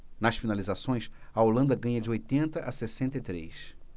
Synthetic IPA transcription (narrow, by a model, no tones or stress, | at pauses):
nɐsfinalizasõj̃sɐolɐ̃nd̪ɐɡɐ̃ɲɐd͡ʒɪojt̪ẽnt̪ɐʔɐsesẽnt̪ɐit̪ɾḛjs